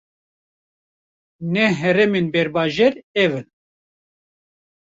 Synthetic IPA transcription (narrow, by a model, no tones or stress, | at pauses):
nɛɦɛɾɛmenbɛɾbɑːʒɛɾɛvɨn